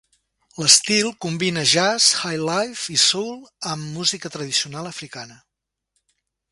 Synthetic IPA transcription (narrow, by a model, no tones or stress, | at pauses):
ləst̪ilˠkumbinəʒasxajlajfisowlˠəmːuzikət̪ɾəðisiunalˠəfɾikanə